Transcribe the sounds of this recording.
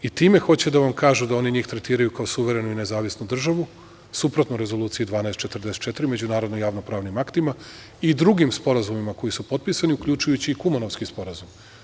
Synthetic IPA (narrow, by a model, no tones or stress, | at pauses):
it̪iːme̞xo̞t͡ɕed̪aʋamkaːʒud̪ao̞niɲiːxt̪ɾe̞t̪iːɾajukaosuʋe̞ɾe̞nuine̞zaːʋisnud̪r̩ʒaʋu | supɾot̪noɾe̞zo̞lˠuːt̪sijid̪ʋaːnaest̪t͡ʃe̞t̪r̩d̪eset̪t͡ʃe̞t̪iɾime̞d͡ʑunaːɾod̪nojaːʋnopɾaːʋnimakt̪ima | id̪ɾuɡimspo̞ɾazumimako̞jisupo̞t̪̚pisaniukʎut͡ʃujut͡ɕiːkumano̞ʋskispo̞ɾazum